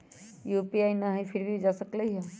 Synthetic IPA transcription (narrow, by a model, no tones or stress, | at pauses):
juːpiainəɦefʰɪɾbʱid͡ʒasəkləiɦe